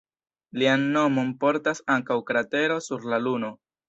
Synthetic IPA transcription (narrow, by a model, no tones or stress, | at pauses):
lianːo̞mo̞mpo̞ɾtasaŋkawkɾate̞ɾo̞suɾlaluno̞